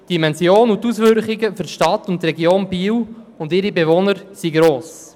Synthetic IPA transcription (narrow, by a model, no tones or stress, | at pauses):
d̥imɛnzjoːnʊt̪usʋʏɾχiɡəfʏrʃtɑt̪ːʊntrɛɡjoːnbiːwʊndɪɾibevonəɾsiɡɾoːs